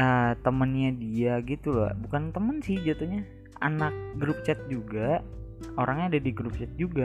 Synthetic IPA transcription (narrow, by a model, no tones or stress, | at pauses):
ət̪əmənɲadiaɡit̪ulɔ̰hbukant̪əmənsɪhd͡ʒat̪uɲa | a̰nak̚ɡɾup̚t͡ʃɛt̪̚d͡ʒuɡa | oɾaŋɲaːdadiɡɾup̚t͡ʃɛt̪̚d͡ʒuɡa